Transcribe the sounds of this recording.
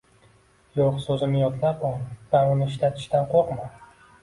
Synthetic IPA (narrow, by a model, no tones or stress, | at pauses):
joqsɵzɪnɪjɒt̪ʰlapɒd̪̥aɾʊnɪːʃlat̪ʰɪ̥ʃt̪anqʰoqma